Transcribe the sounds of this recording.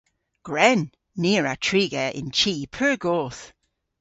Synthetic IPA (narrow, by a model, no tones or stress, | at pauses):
ɡ̥ɹɛnː | iːɹatʰɹiːɡɛɪ̰nt͡ʃʰiːpʰəɹɡoːθ